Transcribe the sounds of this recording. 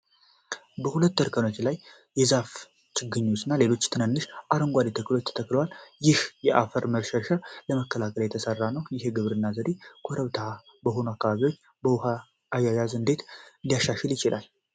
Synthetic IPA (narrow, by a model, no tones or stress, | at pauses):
bəhulət̪ːəɾkʰəno̞t͡ʃːlaj | jɛzaf | t͡ʃɨɡːɨɲːosɨnːale̞lo̞t͡ʃːt̪ʰɨnənːɨʃʔaɾəŋɡʷad̪et̪ʰəkːlo̞t͡ʃːt̪ʰə̥t̪ʰəkːləwaljɪhjɛʔafəɾməɾʃəʃaləməkːəlakʰəljɛt̪ʰəsərːanəwjɪhe̞ɡɨβɾɨnːazəd̪e̞kʷʰoɾəβt̪ʰa | bəɦo̞noakːaβaβiwo̞t͡ʃː | bəwha | ajːajazɨnd̪e̞t̪ɨnd̪ijaʃːaʃɛljɪt͡ʃɪlʔa̰l